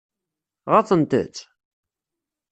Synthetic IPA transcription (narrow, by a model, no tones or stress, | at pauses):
ʁɑt͡sˤənt̪ə̰t͡sː